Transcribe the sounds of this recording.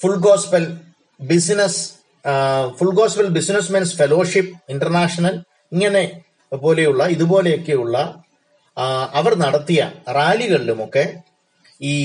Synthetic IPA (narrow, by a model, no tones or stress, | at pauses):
fuɭɡo̞ːspɐl | bisnɐs | fuɭɡo̞ːspɐlbisinɐsmɐnsfelo̞ːʂipːinɖɐrnaːʂɐnɐl | iŋːɐne̞ | po̞ːle̞juɭːɐiðubo̞ːle̞jo̞kːe̞juɭːɐ | ɐʋɐrnɐɽɐt̪ːijɐraːliɣɐɭilumo̞kːe̞ | iː